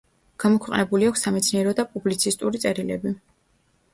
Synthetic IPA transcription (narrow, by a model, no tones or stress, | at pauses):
ɡ̥amɔkʰwɛqʼnɛbuliakʷʰsːamɛt̪sʰniɛɾɔd̪apʼublit̪sʰist̪ʼuɾit̪sʼɛɾilɛ̰bi